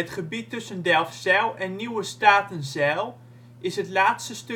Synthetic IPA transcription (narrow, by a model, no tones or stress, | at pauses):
ətχəbitːɵsəndɛlˠfsɛlˠɛnːiwəstaːtənzɛlˠ | ʔɪsɦətlaːtstəst